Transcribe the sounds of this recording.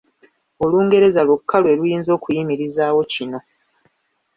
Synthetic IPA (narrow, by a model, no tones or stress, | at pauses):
o̞luːŋɡe̞ɾe̞zalwokʰːalwe̞lujiːnzo̞ːkujimiɾizaːwo̞cino̞